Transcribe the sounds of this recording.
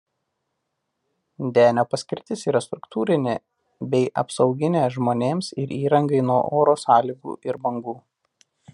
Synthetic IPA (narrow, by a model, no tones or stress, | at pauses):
d̪ʲæːnʲoːpɐsʲkʲɪɾʲt̪ʲɪsiːɾɐst̪ɾʊkt̪ʰuːɾʲɪnʲe | bʲɛɪʔɐ̰psɒʊɡʲɪnʲeːʒmoːnʲeːmsɪɾʔiːɾɐŋɡɐɪnuɔʔoːɾoːsɑːlʲiɡṵːʔɪɾbɐŋɡuː